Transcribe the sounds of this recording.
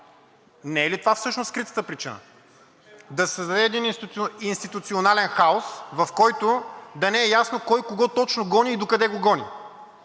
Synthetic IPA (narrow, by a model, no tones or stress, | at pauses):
nɛɛlit̪ovafsɤʃnoskɾit̪ə̥t̪əpɾit͡ʃinə̰ | d̪ɐsəzd̪ɐd̪ɛd̪ininst̪it̪ut̪sionalɛnxaosvɐfkɔjt̪ʊd̪ɐnɛɛjasnokɔjkoɡɔt̪ɔt͡ʃnoɡɔniːd̪okɐd̪ɛɡoɡɔnʲḭ